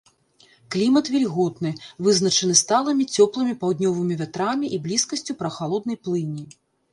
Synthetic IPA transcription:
klʲimɐt̪vʲɛlʲɣɔt̪nɨvɨznɐt͡ʂɐnɨst̪alˠɐmʲit͡sʲɔplˠɨmʲipawd̪nʲɔvɨmʲivʲat̪ɾamʲiʔiblʲiskɐsʲt͡sʲupɾɐxalˠɔd̪̚nɐjplˠɨnʲːi

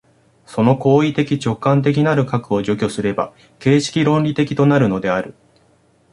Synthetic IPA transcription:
so̞no̞ko̞ːit̪e̞kʲit͡ɕo̞kːãnt̪̬e̞k̬ʲinaɾɯ̟kakɯ̟o̞ʑo̞kʲo̞sɨɾe̞ba̰ | ke̞ːɕi̥kʲiɾõ̞nɾʲit̪e̞kʲi̥t̪o̞naɾɯ̟no̞d̪e̞aɾɯ̟

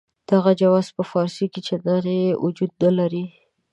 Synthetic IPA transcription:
d̪̥aɣad͡ʒawɑzpəfɑɾsiket͡ʃad̪aɾeeʔud͡ʒud̪̚nəlaɾi

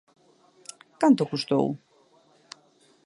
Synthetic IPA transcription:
kant̪ʊkust̪o̰w

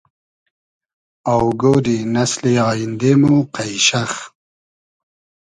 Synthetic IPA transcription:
awɡod̪inasleɑːjind̪emuqajʃax

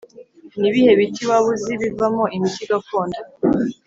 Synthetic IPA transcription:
niβihe̞βitiwaβuziβivamoimitiɡakoːnda

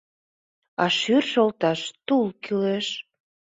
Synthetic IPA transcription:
ɑʃyrʃolt̪ɑʃt̪ulkyleʃ

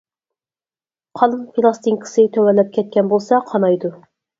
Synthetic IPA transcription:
qʰɑlˠpʰilˠɑst̪iŋkʰə̥sɨt̪ʰɵwælːɛp̚kʲʰɛt̪̚kʲɛnbolˠsɑqʰɑnɑjd̪u

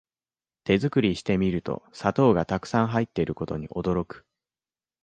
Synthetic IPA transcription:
t̪e̞zɨkɯ̟ɾʲiɕi̥t̪e̞mʲiɾɯ̟t̪o̞̰sat̪o̞ːɡat̪akɯ̥sãɰ̃ɦait̪ːe̞ɾɯ̟ko̞t̪o̞ɲ̟iʔo̞d̪o̞ɾo̞kɯ̟̥

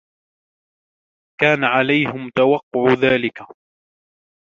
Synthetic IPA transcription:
kaːnaʕalajhɪmt̪awɑqːʊʕʊðaːlɪka

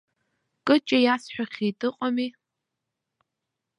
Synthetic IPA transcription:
kʼɨt͡ʃʼɐjaːsħʷᶣaχʲiːtʼɨqʼami

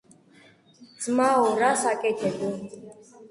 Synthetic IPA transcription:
dd͡zmaɔɾasakʼɛt̪ʰɛd̪u

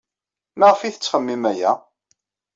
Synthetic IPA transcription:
məʁəfiθət͡sːχəmːimæjæ

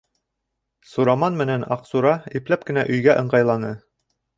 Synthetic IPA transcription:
suɾɑmɑnmɘ̆nænɑqsuɾɑiplæp̚kɘ̆næʔɵ̆jɡæʔɤ̆ɴɢɑjlˠɑnɤ

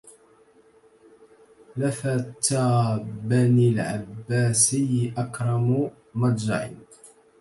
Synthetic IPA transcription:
lafat̪ːabanilʕa̰bːaːsɪjʔakɾˤɑm | mɑdˤd͡ʒa̰ʕɪ̰n

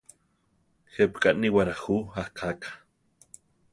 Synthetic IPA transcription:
xepkʼaʔniwaɾaxuahkʰakḁ

